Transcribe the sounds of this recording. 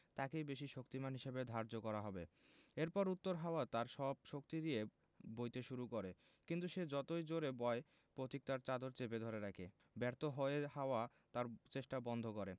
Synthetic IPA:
t̪akejbeʃiʃokt̪imanɦiʃebed̪ʱaɾd͡ʑokɔɾaɦɔbe | eɾpɔɾut̪ːoɾɦaoat̪aɾʃɔbʃokt̪id̪ie | bojt̪eʃuɾukoɾe | kint̪uʃed͡ʑɔt̪ojd͡ʑoɾebɔe | pɾot̪ik̚t̪aɾt͡ɕad̪oɾt͡ɕeped̪ʱoɾeɾakʰe | bɛɾt̪oɦoeɦaoa | t̪aɾt͡ɕeʃʈabɔnd̪ʱokoɾe

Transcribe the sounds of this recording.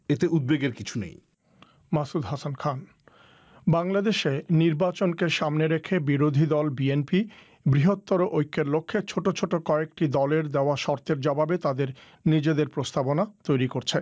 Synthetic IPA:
et̪eʔud̪̚beɡeɾkit͡ɕʰunḛ̃j | masud̪ɦasankʰan | baŋlad̪eʃeniɾbat͡ɕonkeʃamneɾekʰebiɾod̪ʱid̪ɔlbienpi | bɾiɦot̪ːɔɾoʔojkʰːeɾlokʰːet͡ɕʰoʈot͡ɕʰoʈokɔekʈid̪ɔleɾd̪eoaʃɔɾt̪eɾd͡ʑɔbabet̪ad̪eɾ | nid͡ʑed̪eɾpɾost̪abonat̪ojɾikoɾt͡ɕʰe

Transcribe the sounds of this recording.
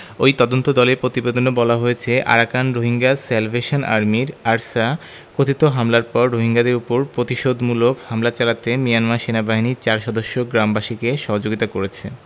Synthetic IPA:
ojt̪ɔd̪ont̪od̪ɔleɾpɾot̪ibed̪ʱonobɔlaɦojet͡ɕʰeʔa̰ɾakanɾoɦiŋɡaselbʱeʃonʔa̰ɾmiɾaɾsa | kot̪ʰit̪oɦamlaɾpɔɾːoɦiŋɡad̪eɾupoɾpɾot̪iʃod̪mulokhamlat͡ɕalat̪emijanmaɾʃenabaɦinit͡ɕaɾʃɔd̪oʃːoɡɾambaʃikeʃɔɦod͡ʑoɡit̪akoɾet͡ɕʰḛ

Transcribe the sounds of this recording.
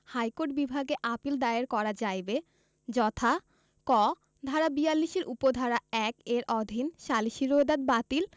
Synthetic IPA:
hajkoɾʈ̚bibʱaɡeʔapild̪aeeɾkɔɾad͡ʑajbe | d͡ʑɔt̪ʰa | kɔ | d̪ʱaɾabialːiʃeɾʔupod̪ʱaɾaɛkeɾʔɔd̪ʱinʃaliʃiɾoed̪ad̪̚bat̪il

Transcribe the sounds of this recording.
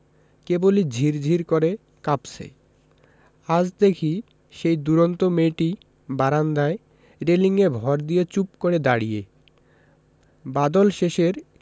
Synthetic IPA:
kebolid͡ʑʱiɾd͡ʑʱiɾkoɾe | kapsḛ | ad͡ʑd̪ekʰi | ʃejd̪uɾont̪omeʈi | baɾand̪ae | ɾeliŋebʱɔɾd̪ijet͡ɕupkoɾed̪aɽijḛ | bad̪olʃeʃeɾ

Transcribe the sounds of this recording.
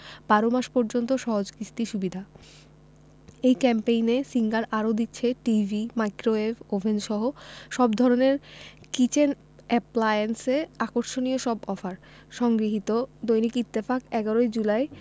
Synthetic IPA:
b̥aɾomaʃpɔɾd͡ʑont̪oʃɔɦod͡ʑkɾist̪iʃubid̪ʱa | ejkɛmpejnesiŋɡaɾʔaɾod̪itːɕʰeʈivʱimajkɾoefobʱend͡ʑʃɔɦoʃɔbd̪ʱɔɾoneɾ | kit͡ɕen | ɛplajenseakoɾʃonijoʃɔbɔfaɾ | ʃɔŋɡɾiɦit̪od̪ojnikit̪ːefakɛɡaɾojd͡ʑulaj

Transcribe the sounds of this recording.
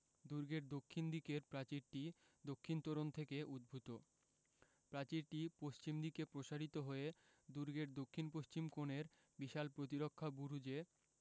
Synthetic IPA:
d̪uɾɡeɾd̪okʰːind̪ikeɾpɾat͡ɕiɾʈi | d̪okʰːint̪ɔɾont̪ʰekeʔud̪̚bʱut̪o | pɾat͡ɕiɾʈipoʃt͡ɕimd̪ikepɾoʃaɾit̪oɦoe | d̪uɾɡeɾd̪okʰːinpoʃt͡ɕimkoneɾ | biʃalpɾot̪̬iɾokʰːabuɾud͡ʑe

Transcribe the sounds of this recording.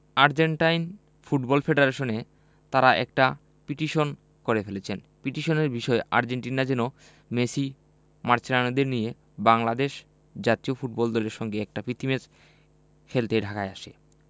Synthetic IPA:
aɾd͡ʑeɳʈajn | fuʈbɔlfʰeɖeɾeʃone | t̪aɾaʔɛ̰kʈa | piʈiʃon | koɾefelet͡ɕʰen | piʈiʃoneɾbiʃɔeʔa̰ɾd͡ʑeɳʈinad͡ʑɛno | mesi | maɾt͡ɕʰeɾanod̪eɾnije | baŋlad̪eʃ | d͡ʑat̪iofuʈ̚bɔld̪ɔleɾʃɔŋɡeɛk̚ʈapit̪imed͡ʑ | fʰelt̪eɖʱakaeaʃḛ

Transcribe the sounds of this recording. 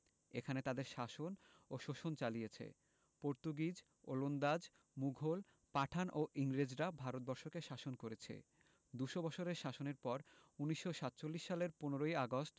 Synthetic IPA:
ekʰanet̪ad̪eɾʃaʃonoʃoʃont͡ɕalijet͡ɕʰḛ | poɾt̪uɡid͡ʑ | o̰lond̪ad͡ʑ | muɡʱol | paʈʰanʔoʔiŋɾed͡ʑɾabʱaɾot̪̚bɔɾʃokeʃaʃonkoɾet͡ɕʰḛ | d̪uʃobɔt͡ɕʰoɾeɾʃaʃoneɾpɔɾuniʃːoʃat̪ːt͡ɕolːiʃːaleɾponeɾojaɡosʈ

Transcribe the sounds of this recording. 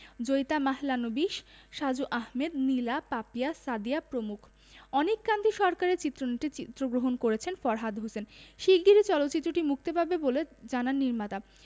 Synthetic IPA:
d͡ʑojt̪amaɦlanobiʃʃad͡ʑuʔaɦmed̪nilapapijasad̪ijapɾomukʰ | ɔnekːand̪iʃɔɾkaɾeɾt͡ɕit̪ːɾoneʈit͡ɕit̪ːɾoɡɾoɦonkoɾet͡ɕʰenfɔɾɦad̪ɦosenʃiɡiɾit͡ɕɔlot̪ːɕit̪ːɾoʈimuk̚t̪epabeboled͡ʑananːiɾmat̪a

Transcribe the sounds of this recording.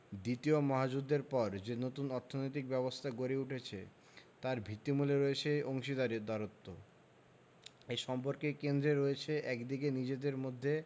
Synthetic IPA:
d̪it̪iomɔɦad͡ʑud̪ːeɾpɔɾd͡ʑenot̪unɔɾt̪ʰonojt̪̬ik̚bɛbost̪ʰaɡoɾeuʈʰet͡ɕʰe | t̪aɾbʱit̪ːimuleɾoet͡ɕʰeʔoŋʃid̪aɾid̪aɾot̪ːo | eʃɔmpoɾkekend̪ɾeɾoet͡ɕʰeʔɛkd̪ikenid͡ʑed̪eɾmod̪ʱːe

